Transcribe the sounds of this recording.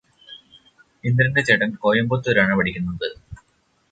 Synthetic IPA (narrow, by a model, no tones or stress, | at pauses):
ind̪ɾɐndet͡ɕeʈɐnkoːjɐmbot̪ːuoɾaːɳɨpɐɽikʲːunːuɳd̪ɨ